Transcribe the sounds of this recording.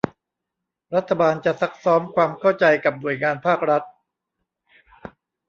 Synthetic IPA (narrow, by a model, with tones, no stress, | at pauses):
ɾa˦˥t̪ʰːa˧baː˧nt͡ɕa˨˩sa˦˥k̚sɔː˦˥mkʰwaː˧mkʰa˥˩wt͡ɕa˧jka˨˩p̚nu˨˩əjŋaː˧npʰaː˥˩k̚ɾa˦˥t̪̚